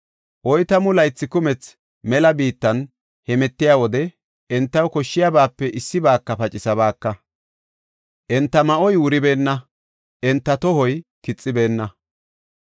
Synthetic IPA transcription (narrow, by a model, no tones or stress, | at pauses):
ʔɔjt̪ɐmʊlɐjt͡sːɪkʊmɛt͡s | mɛlɐbiːt̪ːɐn | hɛmɛt̪ːɪjaːwɔd̪ɛ | ɛnt̪ːɐwkɔʃːɪjabaːpːɛʔɪsːɪbaːkːɐpɐt͡ʃʼɪsɐbaːkːɐ | ʔɛnt̪ːɐmɐʔɔjwʊɾɪbe̞ːnːɐ | ʔɛnt̪ːɐt̪ɔɦɔjkɪt͡sʼːɪbe̞ːnːɐ